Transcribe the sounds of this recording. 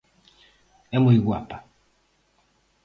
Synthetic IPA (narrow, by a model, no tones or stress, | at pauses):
ɛmoiɡwa̰pa